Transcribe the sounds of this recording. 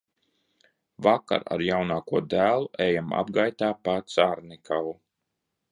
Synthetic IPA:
vaka̰ɾa̰ɾjawnaːkuɔd̪æːlˠuʔɛjama̰b̚ɡajt̪aːpat̪saɾnikʰawu

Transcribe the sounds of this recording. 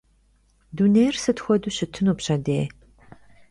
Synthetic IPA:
dunejrsɨtxʷɔduːɕɪtʰːɨnupɕɐdeː

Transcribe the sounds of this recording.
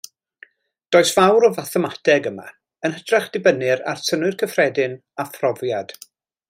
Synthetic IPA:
d̥oɔːɨsv̥awɾɔvaθɛmatʰɛɡəma̰ | ənhədraχd̥ɪbənɪɾa̰rsʰənwʊɨrkʰəfrɛdɪn | afrɔvjad̥

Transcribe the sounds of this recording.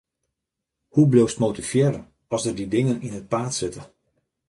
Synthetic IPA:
hublowstmotifjɛːɾən | ɔlzdərdidɪŋəninət̚paːtsɪtə

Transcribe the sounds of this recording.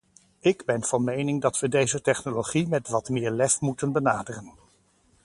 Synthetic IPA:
ɪɡbɛnv̥ɑnmejnɪŋdɑtʋədejzətɛχnoloχimɛtʋɑtmɪːɹlɛfmutənbənaːdərən

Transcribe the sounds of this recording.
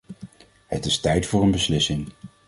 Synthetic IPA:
hətɪstɛjtfʊːɹənbəslɪsɪŋ

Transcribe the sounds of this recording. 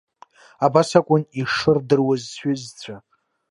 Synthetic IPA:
abasakʷʼʊniʂɨrdɨrwazʷᶣɪzt͡sʷʰa

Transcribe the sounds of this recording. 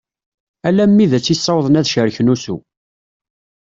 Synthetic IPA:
ælæmːiðæt͡sːisˤːɑwðˤənæðʃəɾçnusṵ

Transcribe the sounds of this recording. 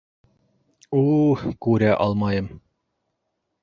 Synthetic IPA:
ukʉɾæʔɑlˠmɑjɤm

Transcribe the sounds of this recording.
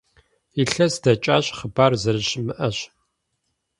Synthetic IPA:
iɬɐsdɐt͡ʃʼaːɕʼχəbaːrzɐɾɨɕmɨʔɐɕ

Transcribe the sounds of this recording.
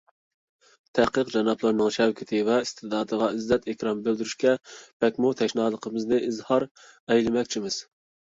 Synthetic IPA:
t̪ʰæhqəqd͡ʒɑnɑplˠəɾnɨŋʃɛwkʲʰɪt̪ʰɪvɛist̪ʰɨd̪ɑːd̪əʁɑizːɛt̪ɪkʲɾɑmbøld̪yɾyʃkʲɛbʰɛkʲmut̪ʰɛʃnɑːlˠəqʰəmɨznɨʔizhɑɾ | ɛjlɪmɛkʲt͡ʃʰimɪz̥

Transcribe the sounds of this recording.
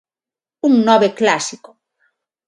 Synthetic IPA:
uŋnɔβeklasiko̥

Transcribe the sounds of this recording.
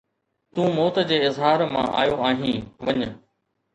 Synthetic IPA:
t̪ũːmoːt̪d͡ʑeːɪzɦaːɾmã̰ːʔa̰ːjoaːɦĩːʋɐɲə

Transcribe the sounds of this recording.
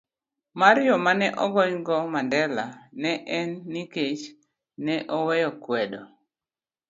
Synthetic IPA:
maɾjɔmanɛʔɔɡɔɲɡɔmandɛlanɛʔɛnːiket͡ʃ | nɛʔɔwɛjɔkwɛdɔ

